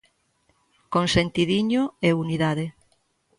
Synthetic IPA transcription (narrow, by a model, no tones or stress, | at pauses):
konsent̪iðiɲoeuniðaðe